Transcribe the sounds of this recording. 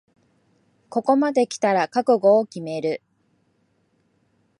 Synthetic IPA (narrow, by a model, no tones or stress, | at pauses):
ko̞ko̞mad̪e̞kʲi̥t̪aɾakakɯ̟ɡo̞ːkʲime̞ɾɯ̟